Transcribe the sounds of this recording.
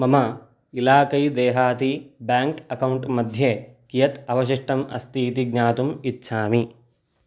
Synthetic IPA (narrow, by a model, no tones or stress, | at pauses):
mɐmɐ | ilaːkɐjd̪eːɦaːt̪ibjaːŋkɐkɐwɳʈmɐd̪ʱjekijɐt̪ɐʋɐʃ̬iʂʈɐmɐ̰st̪iːt̪iɡ̚ɲaːt̪umitːʃʰaːmi